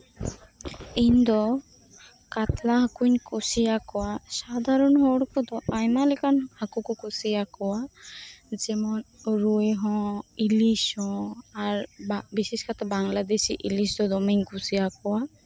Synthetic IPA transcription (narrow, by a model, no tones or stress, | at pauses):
iɲd̪ɔ | kat̪laɦakuɲkusiakɔwasad̪ʱaɾɔnɦɔɽkɔd̪ɔajmalɛkanhakukɔkusiakɔwa | d͡ʒɛmɔnɾueɦɔ̃ilisɔ̃aɾbiseskʰat̪abaŋlad̪esiʔilisd̪ɔd̪ɔmiɲkusijakɔwa